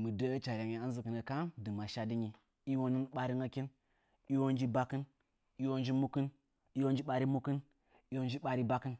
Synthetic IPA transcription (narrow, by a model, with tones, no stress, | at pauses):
mɨ˨də˦a˦t͡ʃa˨ɾʲa˨ŋi˨a˦n˦zɨ˨kɨ˨nə˨ka˦mdɨ˨ma˨ʃa˦di˦ɲi˨ | i˦wo˦nɨ˦nɓa˨ɾi˦ŋa˦ki˦n | i˦wo˦n˦d͡ʒi˦ba˦kɨ˦n | i˦wo˦nd͡ʒi˦mu˦kɨ˦n | i˦wo˦nd͡ʒi˦ɓa˨ɾi˦mu˦kɨ˦n | i˦wo˦nd͡ʒi˦ɓa˨ɾi˦ba˦kɨ˦n